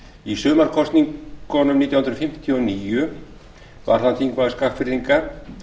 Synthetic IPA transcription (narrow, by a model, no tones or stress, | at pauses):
isʏːmaɾkʰɔst̪niŋkʰɔnʏmniːt̪jahʏnɾʏ̥fɪm̥t̪ʰiɔniːjʏ | va̰ɾ̥θanθʰiŋkvaðskafɪɾðiŋka